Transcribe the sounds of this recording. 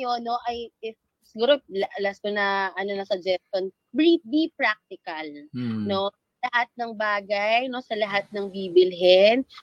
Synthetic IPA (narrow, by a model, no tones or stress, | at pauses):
ɐjono̞ʔɐjɪf | sɪɡuːɾolɐlɐst̪onɐʔɐno̞nɐsɐd͡ʒɛson | bɹif̚b̪ipɹak̚t̪ɪkɐlno̞sɐlɐhat̪̚nɐŋbaːɡɐjno̞sɐlɐɦat̪̚nɐŋbiːbɪlɦɛn